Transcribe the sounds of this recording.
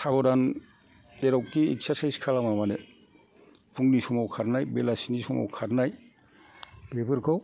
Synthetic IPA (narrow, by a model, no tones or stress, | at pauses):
sabɔdan | deɾawkːiḛksaɾsajskʰalamamane | puŋnisɔmawkʰaɾnajbelasinisɔma̰wkʰaɾnaj | b̥ebɯɾkʰɔw